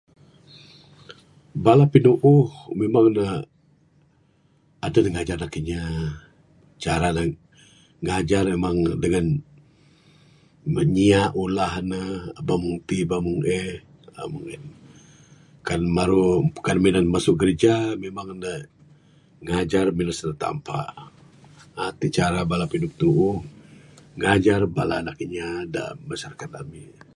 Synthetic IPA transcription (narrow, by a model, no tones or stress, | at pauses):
balapinuʔuhmemaŋnə | adənəŋad͡ʒarlakiɲa | t͡ʃaɾanə | ŋad͡ʒarmemaŋdəŋan | əɲiaʔulahnəbamuŋt̪ibamuŋʔɛ | a̰muŋin | kanmaɾu̥kanminanmasʊk̚kəɾd͡ʒamemaŋnə | ŋad͡ʒarminasnət̪a̰mpa̰ | at̪it͡ʃaɾabalapidup̚t̪uʔu | ŋad͡ʒarbala̰ːnakəɲada̰mbasarkat̪ami